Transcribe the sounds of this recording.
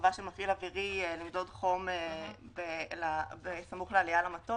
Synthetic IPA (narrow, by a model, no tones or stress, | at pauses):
vaʃemafilaviʁielimd̪o̞dχo̞mebelabesamuχlealijalamato